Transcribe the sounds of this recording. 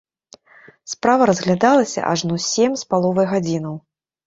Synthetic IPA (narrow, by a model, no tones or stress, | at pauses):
spɾavɐɾɐzɣlʲad̪alˠɐsʲɐ̰ʔaʐnusʲemʲspalˠɔvɐjɣad͡zʲinɐw